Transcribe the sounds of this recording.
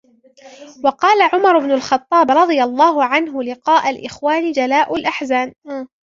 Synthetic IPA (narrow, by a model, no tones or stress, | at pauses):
wɑqɑːlaʕʊmɑɾˤʊbnʊlxɑt̪ˤːɑːbɾˤɑd̪ˤɨjɑlˤːɑːɦʊʕanɦʊlɪqɑːʔalʔɪxwaːnɪd͡ʒalaːʔʊlʔaħzaːn